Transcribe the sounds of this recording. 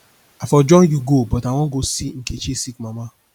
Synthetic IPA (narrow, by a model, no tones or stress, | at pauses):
afɔd͡ʒɔ̃juɡobɔtaw̃ɔ̃ɡosiŋ̩ket͡ʃesikmãma